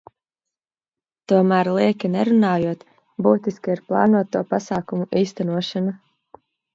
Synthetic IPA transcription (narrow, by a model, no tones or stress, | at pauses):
t̪uɔmæːɾlˠiɛkʲinɛɾunaːjuɔt̪ | buːt̪iskiiɾplˠɑ̰ːnuɔt̪ːuɔpasaːkumuʔiːst̪anuɔʃana